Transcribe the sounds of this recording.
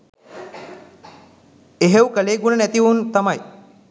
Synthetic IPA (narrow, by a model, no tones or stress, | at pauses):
eɦewkəleːɡunənɛt̪iʋunt̪amaj